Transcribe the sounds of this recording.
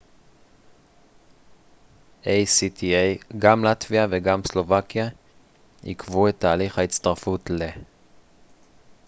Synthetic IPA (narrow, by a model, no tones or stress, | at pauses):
ʔejsit̪ʰiejɡamlat̪viaveɡamslo̞vakja | hḭkvuet̪ːaːliχhaitt͡st̪aʁfutle